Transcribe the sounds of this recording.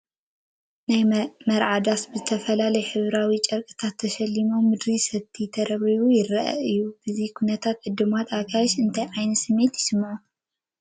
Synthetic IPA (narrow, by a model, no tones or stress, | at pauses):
najmɐɾʕad̪asbɨzɨt̪ʰɐfɐlalɐjɛħɨβɾawit͡ʃʼɐɾkʼɨ̥t̪ʰat̪ʰːɐʃɐlːimo̞mɨd̪ɾisɐt̪ʰːit̪ʰɐɾɐβiβujɪrɐʔɐ̰ʔɨjːub̥ɨzikʰunɐt̪ʰat̪ʕɨd̪ɨmat̪akʰajɛʃɨnt̪ʰɐjʕajnɐsɨmːe̞t̪jɪsɨmːʕu